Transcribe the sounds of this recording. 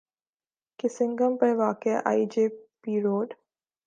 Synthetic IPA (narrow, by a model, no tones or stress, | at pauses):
kɪsɪŋɡəmpɐɾʋaːkea̰ːid͡ʒeːpiːɾoːɖ